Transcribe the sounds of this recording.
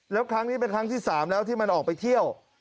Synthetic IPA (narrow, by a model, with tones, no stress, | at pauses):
lɛː˦˥wkʰɾa˦˥ŋniː˦˥p̬e˧nkʰɾa˦˥ŋt̪ʰiː˥˩saː˩˦mlɛː˦˥wt̪ʰiː˥˩ma˧nʔɔː˨˩k̚pa˧jt̪ʰi˥˩əw